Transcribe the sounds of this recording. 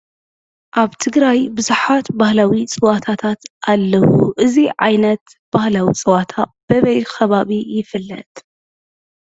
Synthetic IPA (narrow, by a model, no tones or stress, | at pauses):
ʔaβt̪ʰɨɡɾajbɨzuħat̪bahlawit͡sʼɨwat̪ʰat̪ʰat̪ʔalːɐwṵʔɨziʕajnɐt̪ | b̥ahlawit͡sʼɨwat̪ʰab̥ɐβɐjkɐβaβijɪfɨlːɐ̰t̪ʼ